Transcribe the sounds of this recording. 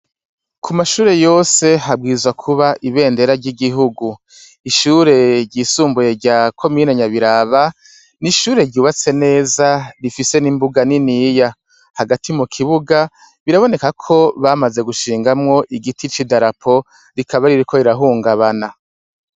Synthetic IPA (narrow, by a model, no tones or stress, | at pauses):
kʰumaʃuːɾe̞jo̞ːse̞ɦab̚ɡiːzwakʰuβaʔiβe̞ːnde̞ɾaɾɟiɡiɦuɡu | iʃuːɾe̞ɾɟiːsuːmbuje̞ɾɟaːkʰo̞miːneɲaβiɾaβa | niʃuːɾe̞ɾɟuːβat͡se̞ne̞ːzaɾifise̞nimbuɡaninija | haɡatʰimukʰiβuɡa | βiɾaβo̞ne̞kakʰo̞βamaze̞ɡuʃiːŋɡamŋo̞ʔiɡitʰit͡ʃidaɾapʰo̞ | ɾikʰaβaɾiɾikʰoiɾaɦuːŋɡaβana